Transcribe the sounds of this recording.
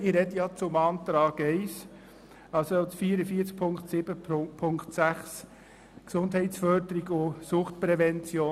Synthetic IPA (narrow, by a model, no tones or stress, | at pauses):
ɪɾɛdəjɑt͡sʊmɑːnt̪ɾɑːɡɛɪs | ɑlsotfiːɾəfiːəɾt͡sk̚pʰʊŋktsɪb̥əpʰpʰʊŋktsæχs | ksʊndɦɛɪtsfœɾd̪əɾiɡʊsʊχtpɾɛvɛnt͡sjoː